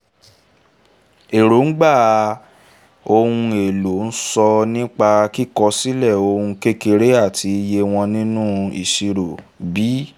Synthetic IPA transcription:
e˨ɾo˨˦n̩˦ɡ͡ba˦˨ | o˧hũ˧e˨lo˨˦n̩˦sɔ˧nĩ˦k͡pa˧ki˦˨kɔ˧si˦lɛ˦˨o˧hũ˧ke˦ke˧ɾe˦a˦˨tʰi˨˧˦je˧w̃ɔ̃˧nĩ˦nũ˦ḭ˨ʃi˧ɾo˨bi˨˦

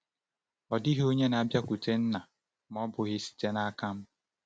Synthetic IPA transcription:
ɔ˨dɪ˦ɦo˦ɲe˦na˨bja˦kʷu˨te˦n̩˦na˨ | m˦ɔ˦bʊ˨ɣɪ˦si̥˨te˦na˦ka˦m̩˦

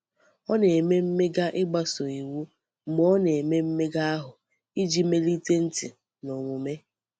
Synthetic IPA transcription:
ɔ˦ne˨e˨me˦m̩˦me˦ɡa˦ʔɪ˦ɡ͡ba˦so˨i˨wu˦ | m˦ɔ˦ne˨e˨me˦m̩˦me˦ɡa˦a˦ɦʊ˨ | i˦d͡ʒi˦me˦li˦te˦n̩˦tɪ˨ | no˨ŋʷu˨me˦

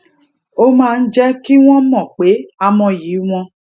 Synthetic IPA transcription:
o˦mãː˦˧n̩˦d͡ʒɛ˦ki˦w̃ɔ̃˦mɔ̃˦˨k͡pe˨˦a˧mɔ̃˧ji˨˦w̃ɔ̃˧

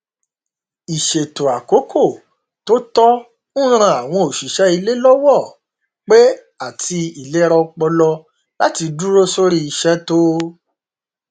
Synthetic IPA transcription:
i˨ʃe˨to˨a˨ko˨˦kʰo˦˨ | to˦tɔ˦ | nũ˦ɾ̃ã˧˦a˨w̃ɔ̃˧o˨ʃi˨ʃɛ˨˦i˧le˦lɔ˦wɔ˦˨ | k͡pe˦ | a˦˨tʰi˧i˨le˨˦ɾɔ˧k͡pɔ˧lɔ˧ | la˦ti˧du˦ɾo˦so˦ɾi˦i˧ʃɛ˦to˦

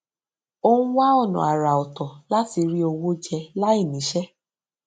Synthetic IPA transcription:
o˦ũ˦wa˦ɔ˦˨nṵ̃˨a˨ɾa˨ɔ˨tɔ˨la˦ti˧ɾi˦o˧wo˦d͡ʒɛ˧la˦i˦˨nĩ˨˦ʃɛ˦

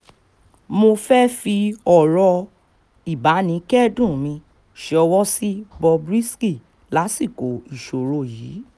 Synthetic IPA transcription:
mo˧fɛ˦fi˧ɔ˨ɾɔ˧ | i˨ba˨˦nĩ˨˧˦kɛ˦dũ˦˨mĩ˧ | ʃe˧˦ɔ˧wɔ˦si˦bɔ˧bɾi˦ski˦˨ | la˨˦si˦˨ko˨i˨ʃo˨ɾo˧˨jiː˨˦

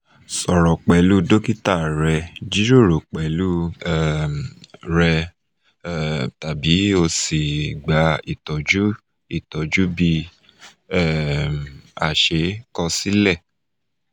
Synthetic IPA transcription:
sɔ˨ɾɔ˨k͡pɛ˨lu˦do˦ki˦ta˦˨ɾɛ˧d͡ʒi˨˦ɾo˦˨ɾo˨k͡pɛ˨lu˦ɛ˦˨mɾɛ˧˨ | ta˨bi˨˦o˧si˨ɡ͡ba˧˦i˨tɔ˨d͡ʒu˦ | i˦˨tɔ˨d͡ʒu˦bi˧ | ɛ˦˨ | a̰˨ʃe˨˦kɔ˧si˦lɛ˦˨

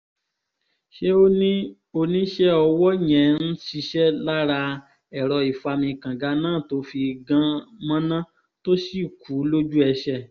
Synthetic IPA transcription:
ʃe˦o˦nĩ˦ | o˧nĩ˦ʃɛ˦ɔ˧wɔ˦ɲɛ̃˨n̩˦si˧ʃɛ˦la˦ɾa˧ | ɛ˨ɾɔ˧i˨fa˧mĩ˧kã˨ɡa˧˦nãː˦˨to˨˦fi˧ɡã˦mã˦nã˦ | to˦si˦˨kʰu˨˦lo˦d͡ʒu˦ɛ˧ʃɛ˦˨

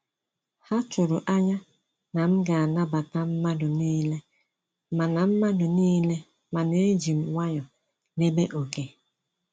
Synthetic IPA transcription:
ha˦t͡ʃʊ˨ɾʊ˨ʔa˦ɲa˦ | na˨m̩˦ɡa˨a˨na˦ba˨ta˦m̩˦ma˦dʊ˨niː˦le˦ | ma˨na˨m̩˦ma˦dʊ˨niː˦le˦ | ma˨ne˦d͡ʒi˨m̩˨wa˦ɲɔ˨ | ne˦be˦ʔo˨ke˨

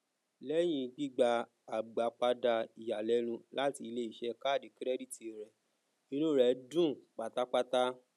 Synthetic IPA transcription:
lɛ˦j̃ĩ˧ɡ͡bi˦ɡ͡ba˧ | a˨ɡ͡ba˨k͡pa˧˦da˧i˨ja˨lɛ˦lũ˧˦la˦ti˧le˦i˦˨ʃɛ˧˦ka˦˨di˨kɾɛ˦di˦ti˨ɾɛ˨ | ĩ˦nũ˦ɾɛ˨˦dũ˦˨k͡pa˨ta˦k͡pa˦ta˦

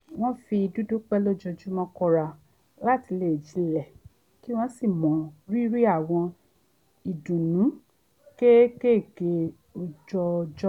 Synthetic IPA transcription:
w̃ɔ̃˦fi˧i˧du˦du˦k͡pɛ˦lo˦d͡ʒɔ˧d͡ʒu˦mɔ̃˦kɔ˧ɾa˧ | la˦˨ti˨˧le˦˨e˨d͡ʒĩ˨˦lɛ˦˨ | ki˦w̃ɔ̃˦si˦˨mɔ̃˨ɾi˦ɾi˦a˦˨w̃ɔ̃˧ | i˨dũ˨nũ˨˦ | ke˦ke˦˨ke˨˧˦ | o˨˧d͡ʒɔ˧d͡ʒɔ˦

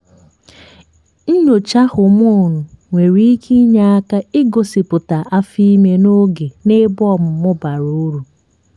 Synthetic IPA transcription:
n̩˦ɲo˨t͡ʃa˦hʊ˨m˦o˦˨nʊ˨ŋʷe˨ɾi˦kʰi˦ɲa˦a˦ka˦ɪ˦ɡo˨sɪ˨pʊ˨ta˨ʔa˦fi˦me˦no˦ɡe˨ne˦bɔ˦˨m̩˨mʊ˦ba˨ɾu˦ɾu˨

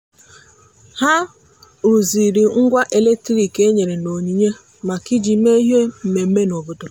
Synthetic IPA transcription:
ha˦ | ɾu˨zi˨ɾi˨ŋ̩˦ɡʷa˦ʔe˨le˦k̚tɾi˨ke˦ɲe˨ɾe˨no˨ɲi˨ɲe˦ | ma˨kɪ˦d͡ʒi˨me˦ɦe˦m̩˨me˨m̩˦me˦nɔ˨bʊ˨tʊ˨

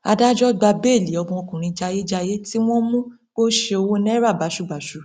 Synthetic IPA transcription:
a˧da˦d͡ʒɔ˦ɡ͡ba˧be˦˨li˨ɔ˧bũ˧o˧kũ˨ɾ̃ĩ˧d͡ʒa˧je˦d͡ʒa˧je˦ti˦w̃ɔ̃˦mũ˦ | k͡po˦ʃe˧o˧wo˦nɛ˦ɾa˦˨ba˨˦ʃu˦˨ba˨ʃu˦

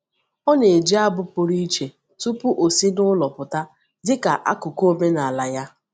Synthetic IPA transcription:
ɔ˦ne˨d͡ʒi˦a˦bʊ˦pʊ˨ɾi˦i˦t͡ʃe˨ | tu˦pʊ˦ʔo˨si˦nʊ˦lɔ˨pʊ˨ta˦ | dɪ˦ka˨ʔa̰˦kʊ˨ko˦me˦na˨la˨ja˦

